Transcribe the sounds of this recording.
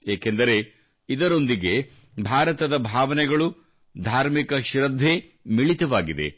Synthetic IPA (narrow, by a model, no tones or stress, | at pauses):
jeːkend̪ɐɾe̞ | id̪ɐɾo̞nd̪iɡe̞ | bʱaːɾɐt̪ɐd̪ɐbʱaːʋɐnɛɡɐɭu | d̪ʱaːɾmikɐʃɾɐd̪ʱːe | miɭit̪ɐʋaːɡid̪ḛ